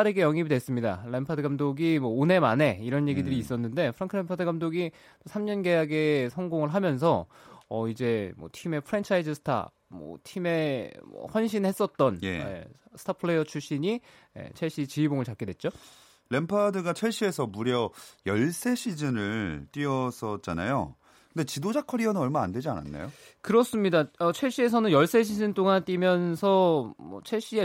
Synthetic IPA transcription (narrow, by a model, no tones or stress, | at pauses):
aɾeɡejʌŋibidwe̞s͈ɯmɲida̰le̞mpʰadɯɡamdoɡimwʌone̞mane̞iɾʌnje̞ɡidɯɾiːs͈ʌnːɯnde̞pʰɯɾaŋkʰɯɭe̞mpʰadɯɡamdoɡi | tosʰamɲʌnɡe̞jaɡe̞sʰʌŋɡoŋɯɭɦamjʌns̬ʰʌʌid͡ʑe̞mwʌ̰tʰime̞pʰɯɾent͡ɕʰaid͡ʑɯsʰɯ̥tʰa̰ | mʌ̰tʰime̞mʌ̰hwʌnɕʰinhe̞s͈ʌt̚t͈ʌnjḛḛsʰɯ̥tʰapʰɯɭe̞jʌt͡ɕʰuɕ͈iɲi | ḛt͡ɕʰeɕ͈it͡ɕiiboŋɯɭt͡ɕak͈e̞dwe̞t̚t͡ɕ͈o | le̞mpʰadɯɡat͡ɕʰweɭɕ͈ie̞sʰʌmuɾjʌjʌɭs͈e̞ɕʰid͡ʑɯnɯɭt͈iʌsʰʌt̚t͡ɕ͈a̰na̰jo̰ | kɯndet͡ɕidod͡ʑakʰʌɾiʌnɯnʌɭmaande̞d͡ʑia̰na̰nːa̰jo | kɯɾʌs͈ɯmɲidaʌt͡ɕʰweɕ͈ie̞s̬ʰʌnɯnjʌɭs͈e̞ɕ̬ʰid͡ʑɯntʰoŋant͈imjʌnsʰʌmʌ̰t͡ɕʰeɕ͈ie